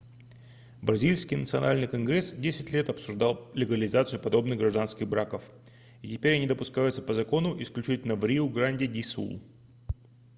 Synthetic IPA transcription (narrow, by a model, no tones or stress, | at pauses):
bɾɐzʲilʲsʲkʲijnət̪sɨɐna̰lʲnɨjkɐnɡɾʲesdʲesʲɪtʲlʲe̞t̪ɐpsʊʐd̪alˠlʲɪɡəlʲɪzat̪sɨjʊpɐd̪o̞bnɨxɡɾɐʐd̪anskʲɪɣbɾakəf | itʲɪpʲeɾʲɐnʲid̪əpʊskajʊt̪sə̥pəzɐko̞nʊʔɪsklʲʉt͡ɕitʲɪlʲnəvɾʲiʊɡɾanʲdʲɪdʲisṵlˠ